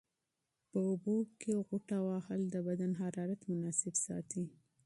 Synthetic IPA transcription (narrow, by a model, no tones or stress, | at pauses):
pəʊbokeɣʊʈawɑhald̪əbad̪anɦaɾɑɾat̪mʊnɑsɪbsɑ̰t̪i